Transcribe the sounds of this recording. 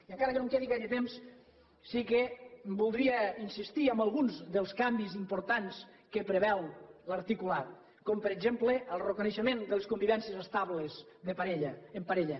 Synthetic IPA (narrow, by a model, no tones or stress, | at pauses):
iəŋkaɾəkenõŋkɛðikaʎet̪emsː | ikebulˠd̪ɾiainsist̪iəmbalˠɣunzðəlˠskambizimpoɾt̪ans | kəpɾeβɛllaɾt̪ikulat̪̚ | kɔmpəɾeɡzempleəlˠrekuneʃəmend̪əleskumbiβɛnsjəzest̪aβlezðəpaɾeʎempaɾeʎə